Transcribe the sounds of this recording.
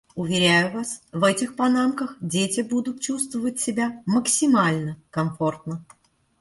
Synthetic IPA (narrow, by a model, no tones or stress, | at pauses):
ʊvʲɪɾʲæjʊvasvɛtʲɪxpɐnamkəxdʲetʲɪbud̪ʊt̪̚t͡ɕust̪vəvət̚ʲsʲɪbʲaməksʲɪmalʲnəkɐmfo̞rt̪nə